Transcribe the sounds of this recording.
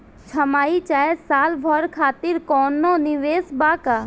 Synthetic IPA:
t͡ʃʰɐmaːit͡ʃaːesaːlbʱɔɾkʰaːt̪iɾkɔːnːonɪʋeːsbaːka

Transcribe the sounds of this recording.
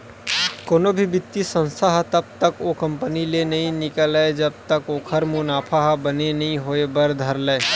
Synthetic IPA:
koːnobʱibɪt̪ːisə̃nsʰaɦt̪ɐb̚t̪əkokə̃mpənilenɐɦĩnɪkəlaed͡ʒɐb̚t̪əkoːkʰəɾmʊnaːpʰaɦbənenɐɦĩɦoːebəɾd̪ʱəɾleː

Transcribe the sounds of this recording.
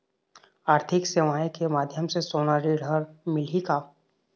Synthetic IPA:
aːɾt̪ʰɪkseʋaːekemaːd̪ʱjəmsesoːnaɾiɽʱəɾmɪlikaː

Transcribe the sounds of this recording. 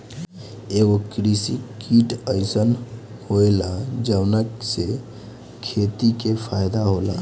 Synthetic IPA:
eɡokɾisikiʈəɪsən | hoelad͡ʒəʋnəkse | kʰet̪ikepʰajd̪aɦola

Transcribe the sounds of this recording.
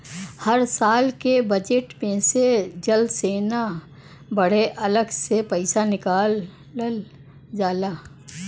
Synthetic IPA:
həɾsaːlkebəd͡ʒeʈmẽsed͡ʒəlseːna | bəɽ̤eʔɐləɡsepəɪsanɪkaːl | əl | d͡ʒaːlaː

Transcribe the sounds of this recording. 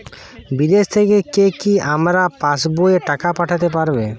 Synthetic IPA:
bid̪est̪ʰekekekiamɾapãsboeʈakapaʈʰat̪epaɾbe

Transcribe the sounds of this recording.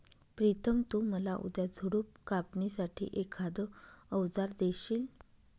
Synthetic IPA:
pɾit̪ʰəmt̪oməlaʔṵd̪jad͡zʱuɽup̚kapnisaʈʰḭːʔekʰad̪əəʋd͡zaɾd̪eɕiːl

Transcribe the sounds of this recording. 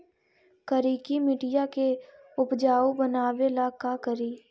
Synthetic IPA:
kəɾiːkimɪʈɪjake | ʊpd͡ʒaːobənaːwelakakəɾiː

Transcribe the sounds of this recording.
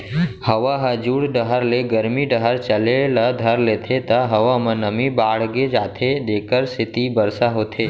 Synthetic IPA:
həʋaɦəd͡ʒuɽɖəɦəɾleɡəɾmiɖəɦəɾt͡ʃəlelad̪ʱəɾlet̪ʰet̪əɦəʋamənəmibaːɽɡed͡ʒaːt̪ʰed̪eːkəɾsɪt̪ibəɾsaɦoːt̪ʰeː

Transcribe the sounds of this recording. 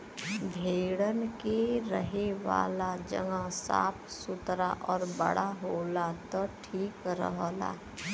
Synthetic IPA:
bʱeːɽənkeɾəɦeʋa̰ːlad͡ʒə̰ŋɡasa̰ːpʰsʊt̪ɾaʔɔːɾbə̰ɽaɦoːlat̪ɔʈʰiːkɾə̰ɦla̰ː

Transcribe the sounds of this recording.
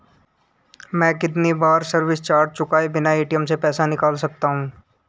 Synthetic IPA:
mɛ̃ːkɪt̪̬nibaːɾsɐɾʋɪst͡ʃaːɾʈ̚t͡ʃʊkaːebɪnaeːʈijəmsepɛːsanɪkaːlsɐk̚t̪aɦũː

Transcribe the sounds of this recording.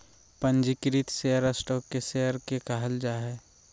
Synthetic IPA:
pə̃nd͡ʒɪkɾit̪seːəɾəsʈɔːkːeseəɾkekaɦəld͡ʒaːɦɛː

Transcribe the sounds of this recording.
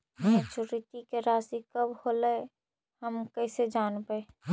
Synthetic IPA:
ɛ̃t͡ʃuɾit̪ikeɾaːsikəbholəe | həmkəɪsed͡ʒaːnbəe

